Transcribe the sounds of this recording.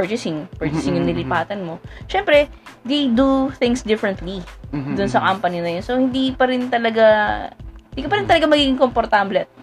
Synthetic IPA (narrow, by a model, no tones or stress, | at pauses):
pəɹt͡ʃɪsɪŋpɛɹt͡ʃɪsɪŋjʊŋnɪlɪpaːt̪ɐnmo̞ʃɛmpɾɛ | d̪ejd̪uθɪ̃ŋsd̪ɪfɾɐnt̪lid̪ʊnsɐkampɐninɐjonsohɪnd̪ipɐɾɪnt̪ɐlɐɡa | ɪnd̪ikɐpɐɾɪnt̪ɐlɐɡamɐɡiːɡɪŋkompoɾt̪ablɛt̪̚